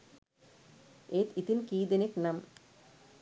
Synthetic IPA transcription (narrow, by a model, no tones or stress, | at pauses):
eːt̪it̪inkiːd̪eneknam